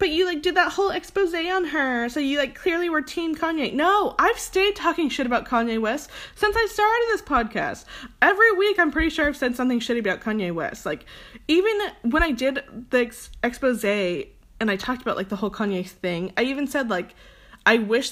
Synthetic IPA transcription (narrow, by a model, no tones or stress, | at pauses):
b̥ʌt͡ʃɨlaɪk̚d̥ɨd̪̚ðət̚hoʊlˠɛkspoʊzeɪə̃nə˞soʊjɨlaɪkʰl̥ɪɹlˠiwə˞tʰĩmkʰɑ̃njeɪnoʊʔaɪv̥stɪd̚tʰɔkɪ̃ŋʃɪɾɨbaʊt̚kʰɑ̃njeɪwɪssɪ̃nsaɪstɑɹɾɨɾɨd̪̚ðɪspʰɑd̚kʰæ̰st̚ɛvɹiwikãɪ̃mpʰɹ̥ɪɾiʃʊɹaɪv̥sɛd̥sʌ̃mθɪ̃ŋʃɪɾɨbaʊt̚kʰɑ̃njeɪwɪ̰slaɪkivɨ̃nwə̃ɾ̃aɪdɪd̪ðɪsɛkspoʊzeɪ | ɨ̃naɪtʰɔk̚təbaʊʔlaɪk̚ðəhoʊlˠkʰɑ̃njeɪθɪ̃ŋa̰ɪivɨ̃n̩sɛdˡlaɪk | ʔaɪwɪʃ